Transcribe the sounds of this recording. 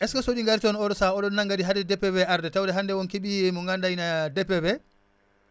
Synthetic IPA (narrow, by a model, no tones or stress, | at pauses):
ʔɛskasoɗiŋɡaɾtiɔnɔɾɔsaɔɗɔnːaŋɡadiɦadɛdɛpːɛbɛʔaɾdɛtawdɛɦandɛwɔnkiɓiɛmɔŋɡandajnadɛpːɛbɛ